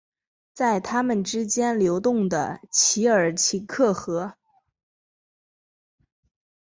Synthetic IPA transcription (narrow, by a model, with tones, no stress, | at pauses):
t͡sa˥˩ɪt̪ʰa˥mə˨nʈ͡ʂɻ̩˥t͡ɕjɛ˥nljo˧˥ʊt̪ʊ˥˩ŋd̪ə̰˩t͡ɕʰi˧˥ə˞˨˩t͡ɕʰi˧˥kʰɤ˥˩xɤ˧˥